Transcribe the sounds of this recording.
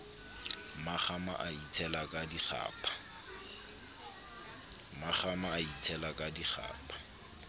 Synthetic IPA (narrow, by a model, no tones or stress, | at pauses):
maχama̰ʔait͡sʰɛlakʼadiχa̰ːpʼḁ | maχamaːitʰɛlakʼadiχa̰ːpʼḁ